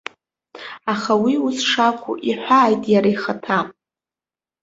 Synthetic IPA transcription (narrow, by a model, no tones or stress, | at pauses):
aχawiusʂakʷʰʊ̰ʔiħʷaːjtʼjaɾajχatʰa